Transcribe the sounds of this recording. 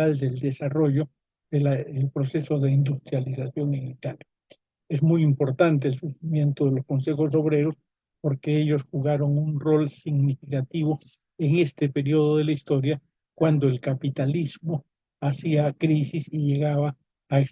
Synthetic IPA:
ald̪e̞ld̪e̞saro̞ʝo̞ | ðelaelpɾo̞se̞so̞ðe̞ind̪ust̪ɾjalisasjo̞ŋeŋit̪alja | e̞zmujimpo̞ɾt̪ant̪̬eːlsuximjẽ̞nt̪o̞ðe̞lo̞sko̞nse̞xo̞s̬o̞βɾe̞ɾo̞s | po̞ɾke̞eʝo̞sxuɣaɾo̞ŋunro̞lsiɣnifikat̪iβo̞ | eŋe̞st̪e̞pe̞ɾio̞ðoðe̞laist̪o̞ɾja | kwand̪o̞e̞lkapit̪alizmo | asiakɾisisiʝe̞ɣaβaː | es

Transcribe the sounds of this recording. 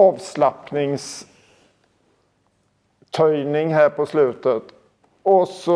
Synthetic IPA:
ɑːvslapnɪŋs | t̪ʰœʏnɪŋɦæːɾpʰɔslʉ̟ːt̪ət̪ | ɔsɔ

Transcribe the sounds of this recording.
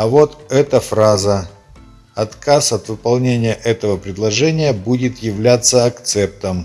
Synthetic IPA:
ɐvo̞t̪ɛt̪əfɾazə | ɐt̪kʰasɐt̪vɨpɐlˠnʲenʲɪjəʔɛt̪əvəpɾʲɪd̪lˠɐʐɛnʲɪjəbudʲɪt̪jɪvlʲat̪sːəɐkt̪sɛp̚t̪əm

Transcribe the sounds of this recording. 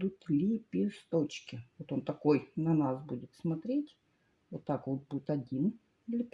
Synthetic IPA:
ʊt̪lʲipʲɪst̪ot͡ɕkʲɪvot̪o̞nt̪ɐko̞jnɐnasbudʲɪt̪smɐt̪ɾʲetʲ | vot̪ːakot̪budʲɪt̪ɐdʲin | ilʲɪpʲ

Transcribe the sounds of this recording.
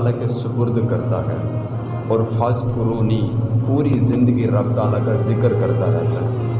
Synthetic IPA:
lãːkesʊpʊɾd̪kəɾt̪a̰ːɦɛ̰ː | ɔːɾpʰaːspʊɾoːniːpuːɾiːzɪnd̪əɡiːɾəb̚t̪ãːlaːkaːzɪkəɾkəɾt̪aːɾɛ̰ːɦt̪aːɛ

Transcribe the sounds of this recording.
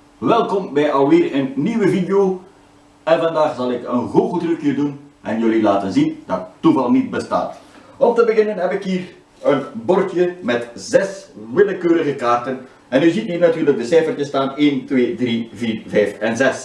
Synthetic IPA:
ʋɛlˠkɔmbɛjɑlˠʋɪːrənːiʋəvidejoː | ɛnvɑndaːχzɑlˠɪkənɣoːɣutrəkjədunʔɛnjølilaːtənzindɑtətːuvɑlˠnit̚bəsta̰ːtɔmtəbəɣɪnənɦɛpɪkɦiːr | ənbɔrtjəmɛtzɛsʋɪləkøːɾəɣəkaːrtən | ɛnyzitninatyːrləɡ̚dəsɛjfərtəstaːneːntwʋeːdriviːrvɛjfɛnzɛs

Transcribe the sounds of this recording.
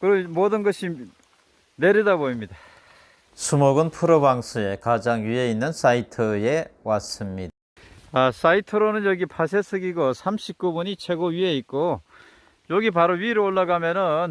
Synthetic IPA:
kɯɾʌmodɯnɡʌɕʰi | ne̞ɾidaboimɲida | sʰumoɡɯnpʰuɾobaŋsʰue̞kad͡ʑaŋjie̞inːɯns͈ʰaitʰɯe̞was͈ɯmɲida | asaitʰɯɾonɯnjʌɡipʰas̬ʰe̞sʰɯɡiɡosʰamɕʰik̚k͈ubuɲit͡ɕʰe̞ɡoɥie̞it̚k͈o | joɡip̬aɾoɥiɾɯoɭːaɡamjʌnɯn

